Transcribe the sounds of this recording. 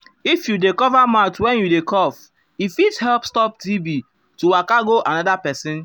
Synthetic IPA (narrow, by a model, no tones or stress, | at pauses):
ifjudekɔvamatwɛ̃njudekɔf | ifithɛlpstɔp̚dibi | tuwakaɡoʔanɔdapɛsɪ̃n